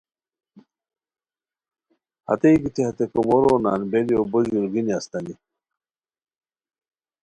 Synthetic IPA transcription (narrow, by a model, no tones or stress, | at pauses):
hɐ̰t̪ejɡit̪ʰiɦɐt̪ekomoɾoːna̰ːnbelijobəʑuɾɡiniast̪ɐni